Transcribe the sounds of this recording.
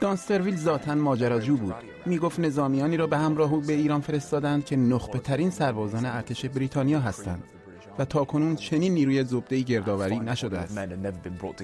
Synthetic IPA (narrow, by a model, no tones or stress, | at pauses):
d̪̥ɒnst̪e̞ɾviːlzɒːt̪ʰænmɒːd͡ʒæɾɒːd͡ʒuːbuːd̪̥ | miːɡoft̪ne̞zɒːmijɒːniːɾɒːbe̞hæmɾɒːɦuːbe̞iːɾɒːnfe̞ɾe̞st̪ɒːd̪ænd̪̚cʲʰe̞noχb̥e̞t̪ʰæɾiːnsæɾbɒːzɒːneæɾt̪ʰe̞ʃe̞bɾiːt̪ʰɒːnijɒːɦæst̪æ̰nd̪̥ | væt̪ʰɒːkʰo̞nuːnt͡ʃʰe̞niːnːiːɾuːjezob̚d̪e̞iːɟe̞ɾd̪ɒːvæɾiːnæʃo̞d̪eæ̰sɛ̃nənɛvəbĩnbɹɔ̰ːtʰ